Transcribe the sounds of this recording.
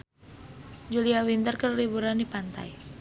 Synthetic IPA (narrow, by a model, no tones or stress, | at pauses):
d͡ʒuliawint̪ərkərlibuɾandipant̪a̰j